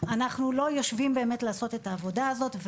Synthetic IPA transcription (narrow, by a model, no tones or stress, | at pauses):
anaχnulo̞jo̞ʃvimbe̞ːme̞tlaːso̞tetaːvo̞daːzo̞tv